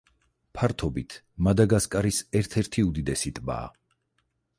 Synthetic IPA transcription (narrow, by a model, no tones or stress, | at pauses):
pʰaɾt̪ʰɔbit̪ʰ | mad̪aɡaskʼaɾisɛɾt̪ʰɛɾt̪ʰiud̪id̪ɛsit̪ʼba̰ː